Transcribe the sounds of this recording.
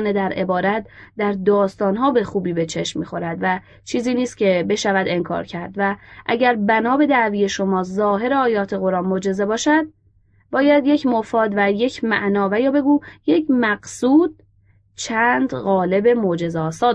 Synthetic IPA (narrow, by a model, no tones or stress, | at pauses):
ne̞d̪æɾʔe̞̰bɒːɾæt̪̚d̪æɾd̪ɒːst̪ɒːnɦɒːbe̞xuːbiːbe̞t͡ʃʰe̞ʃmmiːxo̞ɾæd̪væ | t͡ʃʰiːziːniːst̪cʲʰe̞be̞ʃævæd̪e̞ŋkʰɒ̰ːɾcʰæɾd̪væʔæɟæɾbænɒːbe̞d̪æʔviːje̞ʃo̞mɒːzɒːɦe̞ɾeɒːjɒːt̪ʰe̞ɣo̞ɾɒːnmo̞d͡ʒe̞ze̞bɒːʃæd̪̚ | bɒːjæd̪je̞cʰmofɒːd̪væje̞cʰmæ̰ʔnɒːvæjɒːbe̞ɡuːjecʰmæɡsuːd̪̥̚ | t͡ʃʰænd̪ɣɒːle̞be̞mod͡ʒe̞zeɒːsɒː